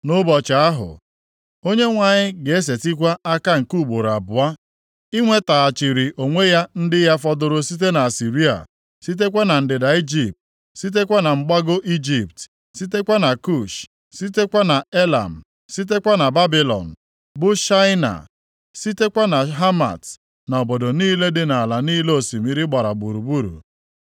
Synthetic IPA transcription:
nʊ˦bɔ˨t͡ʃa˨a˦ɦʊ̰˨ | o˦ɲe˦ŋʷa˨ɲɪ˦ɡe˨e˦s̬e˨ti˦kʷa˦a˦ka˦ŋ̩˨ku˦˨ɡ͡bo˨ɾa̰˨bʊ˨a˦ | i˦ŋʷe˦ta˨a˨t͡ʃi˨ɾi˨ʔo˨ŋʷe˦ja˦n̩˦dɪ˦ja˦fɔ˦dʊ˦ɾʊ˦si˦t̬e˦na˨a˨si˨ɾi˦a̰˨ | si˦t̬e˦k̬ʷa˦na˨n̩˨dɪ˨da˨i˦d͡ʒi˨p̚t̚ | si˦t̬e˦kʷa˦na˨ŋ͡m̩˦ɡ͡ba˦ɡo˦ʔi˦d͡ʒi˨pt | si˦te˦kʷa˦na˨ku˦˨ʃ | si˦te˦kʷa˦na˨e˦la̰˨m̩˨ | si˦t̬e˦kʷa˦na˨ba˦bi˨lɔ̰˨n̩˨ | bʊ˦ʃa˦ɪ˦na̰˨ | si˦te˦kʷa˦na˨ɦa˦ma̰˨t | nɔ˨bo˨do˨niː˦le˦dɪ˦na˨la˨niː˦le˦o˨si˨mi˨ɾi˦ɡ͡ba˨ɾa˨ɡ͡bu˨ɾu˨bu˦ɾṵ˨

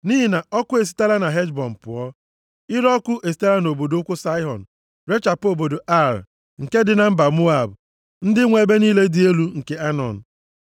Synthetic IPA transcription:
niː˦ɦi˨na˨ɔ˦kʊ˦e˨s̬i̥˨ta˦la˦na˨ɦe˦d͡ʒbɔ˨m̩˨pʊ˨ɔ˦ | ɪ˦ɾɔ˦kʷʊ˦ʔe˨s̬i̥˨˦ta˦la˦n˨o˨bo˨do˨˦ʊ˦kʷʊ˦sa˦ɪ˦ɦɔ̰˨n̩˨ | ɾe˦t͡ʃa˨po˨bo˨do˨ʔa˦˨ɾ | ŋ̩˨ke˦dɪ˨˦na˨m̩˦ba˨mu˦a˨bʊ˨ | n̩˦dɪ˦ŋʷe˨be˦niː˦le˦dɪ˦e˦lu˦ŋ̩˨ke˦a˦nɔ̰˨n̩˨

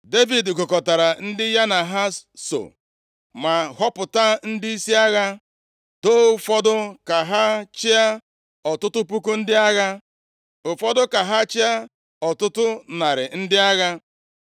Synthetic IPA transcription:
de˦vi˨dkʊ˨kɔ˨ta˨ɾa˨n̩˦dɪ˦ja˦na˨ɦa˦so̰˨ | ma˨ɦɔ˦pʊ˨ta˦n̩˦dɪ˦i˦si˦a˦ɣa˦ | d̥o˦ʊ˦˨fɔ˦dʊ˦ka˨ɦa˦t͡ʃɪ˦a˦ | ɔ˨tʊ˦tʊ˦p̬u˦ku˦n̩˦dɪ˦a˦ɣa˦ | ʊ˨fɔ˦dʊ˦ka˨ɦa˦t͡ʃɪ˦a˦ | ɔ˨tʊ˦tʊ˦na˨ɾɪ˨n̩˦dɪ˦a˦ɣa˦

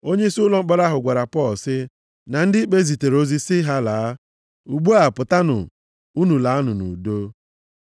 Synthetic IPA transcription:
o˦ɲe˦i˦su˦lɔ˨˦ŋ͡m̩˦k͡pa˨ɾa˦ɦʊ˨ɡʷa˨ɾa˨pɔ˦˨lsɪ˦ | na˨n̩˦dɪ˦i˦k͡pe˦zi˨te˨ɾo˦zi˦sɪ˦ɦa˦la˨a˦ | u˨ɡ͡bu˦a˨pʊ˨ta˦nʊ̰˨ | u˦nu˨la˨a˦nʊ˨nṵ˨do˦

